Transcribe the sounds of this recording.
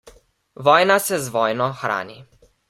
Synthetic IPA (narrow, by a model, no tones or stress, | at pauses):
ʋɔːjnasɛzʋɔːjnɔxɾa̰ːni